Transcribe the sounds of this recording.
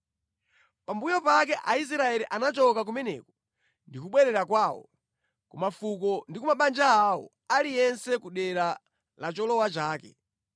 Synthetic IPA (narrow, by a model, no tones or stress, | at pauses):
pambujɔpakɛʔais̬ɾaɛɾiʔanat͡ʃɔkak̬umɛnɛ̰kɔ̥ | ndikuɓwɛɾɛɾakwaːwɔ̰ | kumafukɔndikumaɓand͡ʒaawɔ̰ | alijɛnsɛkuɗɛɾa | lat͡ʃɔlɔwat͡ʃaːkɛ